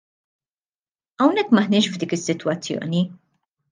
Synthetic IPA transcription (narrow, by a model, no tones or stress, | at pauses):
ɐwnɛkːmɐħnɪːʃvd̪iːkɪsːɪt̪wɐt͡sːjɔ̰ːni